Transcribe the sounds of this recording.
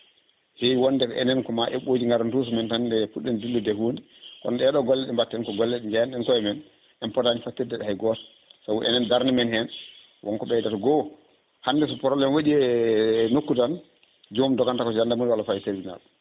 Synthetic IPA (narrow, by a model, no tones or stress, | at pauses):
hɛjwɔnːdɛkɔʔɛnɛnkɔmaʔɛɓoːd͡ʒiŋɡaɾntus̬umɛntandɛfuɗːɛndilːudɛhundi | kɔ̰nɗɛɗɔɡɔlːɛɗɛmbatːɛnkɔɡɔlːɛɗɛɲd͡ʒajanɛnkɔɛmɛn | ɛnpɔtaɲifatːiɾdɛɗɛhajɡɔtḁ | sawṵʔɛ̰nɛndaɾnimɛnhɛn | wʔɔ̰nkɔɓɛdatɔɡɔ | handɛsɔpɔɾɔlɛnwaɗiɛnokːudan | d͡ʒomdɔɡantakɔsandamunwalɔfajiteɾd͡ʒina̰l